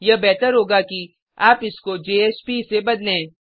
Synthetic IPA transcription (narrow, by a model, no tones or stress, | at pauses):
jɐbɛːt̪əɾɦoːɡaki | aːpɪskod͡ʒeːeːspisebɐd̪lẽː